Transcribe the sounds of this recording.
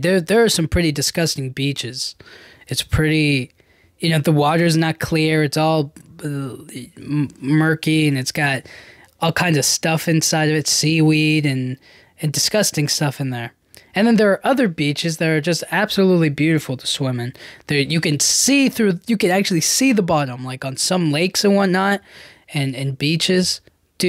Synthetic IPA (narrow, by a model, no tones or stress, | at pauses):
ðə˞ðə˞ːsʌ̃mpʰɹ̥ɪɾidɨskʌstɪ̃ŋbit͡ʃɪz̥ɨtspʰɹ̥ɪɾi | jɨnoʊðəwɔɾə˞ɨznət̚kʰl̥ɪɹɨtsɔlˠʌ | mɜ˞kiɨ̃nɨtsɡ̥ɑt̚ | ɔlˠkʰãɪ̃ndzʌv̥stʌfɨ̃nsaɪɾʌvɨtsiwiɾɨ̃n | ɨ̃ndɨskʌstɪ̃ŋstʌfɨ̃nðə˞ | ɨ̃nðɨ̃nðə˞ːʔʌðə˞bit͡ʃɨzðɨɾə˞d͡ʒʌstæb̥səlutˡlibjʉɾɨfl̩ˠtʰə̥swɪ̃mɨ̃nðə˞jɨkɨ̃nsiθɹʉjɨkɨ̃næk̚t͡ʃʉl̩ˠisiðəbɑɾə̃mlaɪkn̩sʌ̃mleɪksɨwɑ̃nnət̚ | ɨ̃nɨ̃nbit͡ʃɪz̥ | d̥ɨ